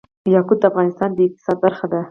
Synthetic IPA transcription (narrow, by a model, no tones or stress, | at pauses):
jɑkʊd̪̚d̪əafɣɑnɪst̪ɑnd̪əɪq̚t̪ɪ̥sɑd̪̚baɾxad̪a